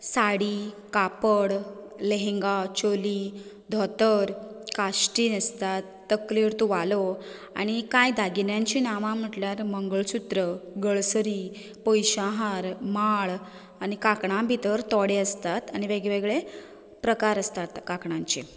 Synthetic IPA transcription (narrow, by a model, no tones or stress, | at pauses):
saɽiː | kapəɽ | leɦeŋɡat͡ɕoli | d̪ʱɔt̪əɾkaɕʈiːnəst̪at̪ːəkliɾt̪uʋalo | a̰ɽ̃ikajd̪ʱaɡinjãɲt͡ɕiːnaʋãm̤əʈljaɾməŋɡəɭt͡ɕut̪ɾəɡəɭsəɾiː | pojɕaɦaɾmaɭ | añikakɳãbʱit̪əɾt̪ɔɽeəst̪at̪añiʋeɡɭeʋeɡɭe | pɾəkaɾəst̪at̪kakɳãɲt͡ɕi